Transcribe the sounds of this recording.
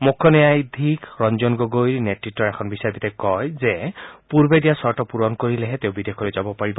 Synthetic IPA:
mukʰːɔnɛjajd̪ʱikɾɔnd͡ʒɔnɡoɡojɾneʈiʈːɔɾekʰɔnbisabit̪ekɔjzepuɾbed̪ijasɔɾʈɔpuɾɔnkoɾileɦet̪eobid̪ekʰɔɾed͡ʒabɔpaɹibɔ

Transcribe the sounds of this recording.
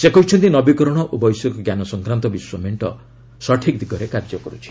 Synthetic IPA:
sekɔɦit͡ʃʰɔnt̪inɔbikɔɾɔɽ̃ɔʔobɔjsɔkɔɡjanɔsɔŋkɾant̪ɔbiswɔmeɳʈɔ̰ | sɔʈʰikd̪iɡɔɾekaɾd͡ʒɔkɔɾut͡ʃʰi̥

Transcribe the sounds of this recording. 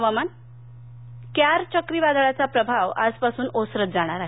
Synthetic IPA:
ʋaman | kjaɾt͡ɕəkɾiʋad̪ɭjat͡sapɾəbʱaʋa̰d͡zpasuːnosɾət̪̚d͡zaɽ̃aɾaɦ

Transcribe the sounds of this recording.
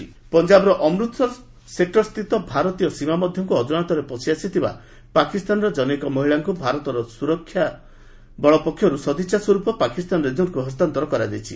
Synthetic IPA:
pɔnd͡ʒabɔɾɔʔɔmɾut̪ʰɔ | sek̚ʈɔst̪ʰit̪ɔbʱaɾɔt̪ijɔsimamɔd̪ʱjɔŋkuɔd͡ʒunat̪ɔɾepɔsiasit̪ʰiba̰ | pakist̪anɔɾɔd͡ʒɔnekɔmɔɦiɭaŋkubʱaɾɔt̪ɔɾɔsuɾɔkʰːja | bɔɭɔpɔkʰːjɔɾusɔd̪it͡ʃaswɔɾupɔpakist̪anɔɾed͡ʒɔnkuɦɔst̪ant̪ɔɾɔkɔɾad͡ʒejt͡ʃʰi

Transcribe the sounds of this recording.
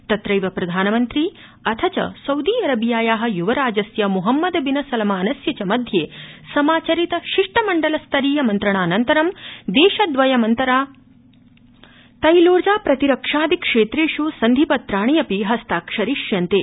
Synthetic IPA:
t̪ɐt̪ɾɐjʋɐpɾɐd̪ʱaːnɐmɐnt̪ɾi | ɐt̪ʰɐt͡ʃɐ̰sɐwd̪iːɐɾɐbʱijaːjaːɦɐ̆juʋɐɾaːd͡ʒɐsjɐmuɦɐmːɐd̪binɐsɐlɐmaːnɐsjɐt͡ʃɐmɐd̪ʱjeːsɐmaːt͡ʃɐɾit̪ɐʃiʂʈɐmɐɳɖɐlɐst̪ʰɐɾiːjɐmɐnt̪ɾɐɳaːnɐnt̪ɐɾɐmd̪eːʃɐd̪ʋɐjɐmɐnt̪ɐɾaː | t̪ɐjloːɾd͡ʒaːpɾɐt̪iɾɐkʂaːd̪ikʂeːt̪ɾeːʂusɐnd̪ʱipɐt̪ɾaːɳijɐpiɦɐst̪aːkʂɐɾiʃjɐnt̪eː

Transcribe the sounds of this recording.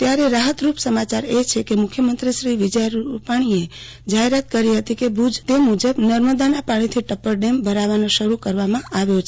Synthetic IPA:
t̪jaɾeɾaɦət̪ɾupsəmat͡ʃaɾet͡ʃʰekemʊkʰjəmənt̪ɾiʃɾiʋɪd͡ʒəɾupaɽ̃ie | d͡ʒaɦeɾat̪kəɾiɦət̪ikebʱud͡ʒt̪emud͡ʒəbnəɾməd̪anapaɽ̃it̪ʰiʈəpːəɾɖembʱəɾaʋanõʃəɾukəɾʋamãaʋjot͡ʃʰe

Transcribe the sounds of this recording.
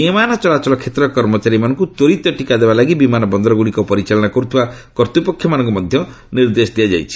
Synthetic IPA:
emanɔt͡ʃɔlat͡ʃɔlɔkʰet̪ɾɔkɔɾmɔt͡ʃaɾimanɔŋkut̪oɾit̪ɔʈikad̪ebalaɡibimanɔbɔnd̪ɾɔɡuɽikɔpɔɾit͡ʃalɔɽakɔɾut̪ʰiba | kɔɾt̪upɔkʰːjɔmanɔŋk̬umɔd̪ʱjɔ | niɾd̪esd̪ijad͡ʒa̰jt͡ʃʰi̥

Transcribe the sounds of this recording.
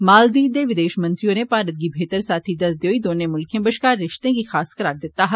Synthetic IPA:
maːld̪iːd̪eːʋɪd̪eːʃmə̃nt̪ɾijõːneːpaːɾət̪̚ɡiːbʱeːt̪əɾsaːt̪ʰiːd̪əsd̪eoːiːd̪oːnẽːmʊlkʰẽbəʃkaːɾːɪʃt̪ẽːɡiːxaːskəɾaːɾd̪ɪt̪ːaːɦ

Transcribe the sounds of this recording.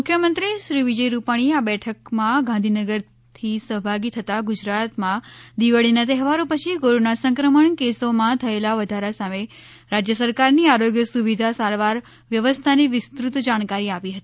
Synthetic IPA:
mʊkʰːjəmənt̪ɾiʃɾiʋid͡ʒəiɾupaɽ̃iabɛʈʰəkmãɡãnd̪ʱinəɡəɾ | t̪ʰisəɦbʱaɡit̪ʰət̪aɡud͡ʒɾat̪mãd̪iʋəɭinat̪ɛɦʋaɾopət͡ʃʰikoɾonasə̃ŋkɾəməɳkesomãt̪ʰəelaʋəd̪ʱaɾasame | ɾad͡ʒjəsəɾkaɾniaɾoɡjəsuʋid̪ʱasaɾʋaɾ | ʋjəʋəst̪ʰaniʋɪst̪ɾut̪d͡ʒaɽ̃kaɾiapiɦət̪ii

